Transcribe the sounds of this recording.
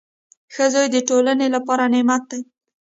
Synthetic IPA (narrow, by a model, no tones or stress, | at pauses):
xəzɑjd̪əʈolənelapɑɾanɪmat̪̚d̪aj